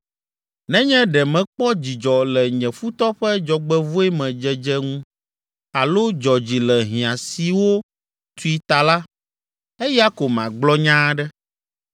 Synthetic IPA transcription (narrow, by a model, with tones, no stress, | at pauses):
nɛ̃˦ɲɛ̃˦ɖɛ˨mɛ̃˨k͡pɔ˦d͡ʑi˨d͡ʒɔ˨lɛ˨ɲɛ̃˨fu˦t̪ɔ˦ɸɛ˦d͡ʒɔ˨ɡ͡bɛ˦vu˦ɛ˦mɛ̃˨d͡ʒɛ˨d͡ʒɛ˦ŋũ˦ | a˨lo˦d͡ʒɔ˨d͡ʑi˨lɛ˨ɦĩ˨ã˨si˨wo˦ | t̪u˦i˨t̪a˨la˦ | ɛ˦ja˦ko˨mã̰˨ɡ͡blɔ˦ɲã˦ɖɛ˦